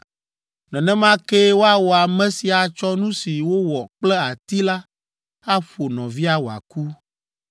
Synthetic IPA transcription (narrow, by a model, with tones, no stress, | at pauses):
nɛ̃˨nɛ̃˦mã˦ke˦wo˦a˦wɔ˨a˨mɛ̃˦si˨a˨t͡ʃɔ˦nũ˦si˨wo˦wɔ˨k͡plɛ˦a˨t̪i˦la˦ | a˦ɸo˨nɔ̃˨vi˦a˨wɔ˨a̰˨ku˦